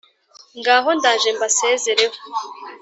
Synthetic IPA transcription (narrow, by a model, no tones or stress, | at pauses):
ŋɡaːɦo̞ndaːʒembaseːzeɾeho